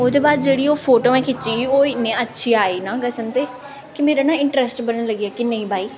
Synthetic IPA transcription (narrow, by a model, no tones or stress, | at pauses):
oːd̪eːbaːd̪̚d͡ʒeːɽiːoːpʰoːʈoːɛ̃ːkʰɪtːt͡ʃiːoːnẽːətːʃʰiːaːiːnãːɡəsənt̪eː | kɪmeːɾaːnãːɪɳʈɾɛsʈbənənləɡiaːkɪnə̃ĩːbʱaːiː